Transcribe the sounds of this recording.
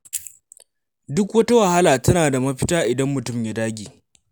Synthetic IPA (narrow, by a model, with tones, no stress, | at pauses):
dʊ˦kwɐ˦ta˦wɐ˨ha˦laː˨tɐ˦naː˨da˨mɐ˦ɸɪ˦taː˦ʔɪ˨dɐ˦mːʊ˨tʊ˦˨mja˨daː˦ɡʲiː˨